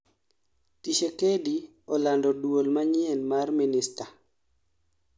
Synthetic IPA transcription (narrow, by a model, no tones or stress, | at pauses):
tiʃekedi | ɔlandɔdwolmaɲɪɛnmarminista